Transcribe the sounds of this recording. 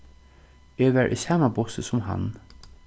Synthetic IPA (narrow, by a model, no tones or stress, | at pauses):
eːʋæːɹʔḭːsɑːmabɔsəsʊmɦa̰n